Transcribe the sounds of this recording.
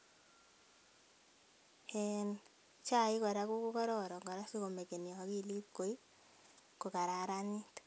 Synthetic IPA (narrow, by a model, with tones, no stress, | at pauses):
en | t͡ʃa˦˨i˦kɔ˨ɾa˦ku˦ku˦kɔ˦ɾɔ˦ɾɔ˨ŋɡɔ˨ɾa˦si˦ko˨me˨ke˨njɔ˨ki˦li˦p̚ko˨i˦ | ko˨ka˨ɾa˨ɾa˦ni˦t